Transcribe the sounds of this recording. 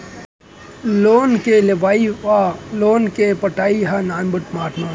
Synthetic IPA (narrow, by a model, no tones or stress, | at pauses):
loːnkeleʋaːialoːnkepɐʈaːiɦanaːnbəʈmaːʈnaː